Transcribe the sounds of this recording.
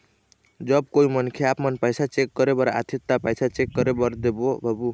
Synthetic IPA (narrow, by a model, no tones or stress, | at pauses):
d͡ʒəb̚koimənkʰeapmənpajsʰat͡ʃekːəɾebəɾaʔa̰t̪ʰit̪ːapajsʰat͡ʃekːʌɾebəɾd̪ebobʱəbu